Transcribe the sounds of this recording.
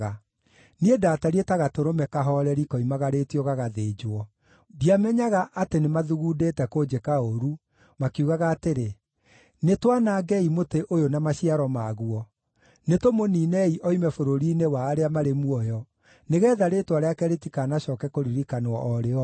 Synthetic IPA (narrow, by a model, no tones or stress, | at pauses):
ɣa | niedaːtaɾietaɣatoɾomɛkaɦɔɾɛɾikɔimaɣaɾetiɔɣaɣaðeːd͡ʒwɔ | diamɛɲaɣaʔatenemaðuɣudetɛkod͡ʒekaoɾu | makuɣaɣaːteɾe | netwanaːɡɛimoteʔojonamaɕiaɾɔmaɣuɔ | netomoniːnɛiʔɔimɛfoɾoɾiːnewaːɾeamaɾemuɔjɔ | neɣɛːðaɾetwaɾeakɛɾetikaːnaɕɔːkɛkoɾiɾikanɔ̰ʔɔɾeɔ